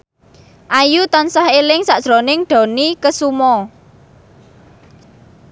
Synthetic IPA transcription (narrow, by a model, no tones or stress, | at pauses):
ʔajut̪ansahelɪŋsaʔʒ̥ɾonɪŋɖ̪̥ɔ̤nikəsumɔ